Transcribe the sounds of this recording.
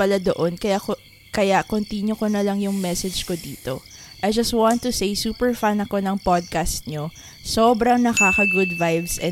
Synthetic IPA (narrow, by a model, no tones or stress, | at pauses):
pɐlad̪oʔonkɐjak | kɐjakont̪injʊkonɐlɐŋjʊŋmɛsɛd͡ʒkod̪iːt̪o̞ʔɐjd͡ʒɐst̪wãnt̪ːʊsejsuːpɛɹfanɐko̞nɐŋpod̪̚kast̪̚ɲo | soːbɾɐŋnɐkaːkɐɡʊd̪vajvsɛ